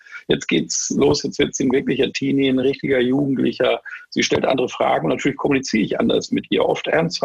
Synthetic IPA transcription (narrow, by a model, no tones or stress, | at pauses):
jɛt͡stɡ̥eːtsloːsjɛt͡stv̥ɪɐtz̥iːnvɪɐklɪçɐtʰiːninʁɪçtɪɡɐjuːɡŋ̩tlɪ̰çɐz̥iːʃtɛltʔa̰ndəʁəfʁ̥a̰ːɡŋ̩ʊnatʰyːɐlɪçkʰɔmunit͡siːʁəɪçʔa̰ndɐ̰smɪtʔiːɐʔɔftʔɛ̰ɐnst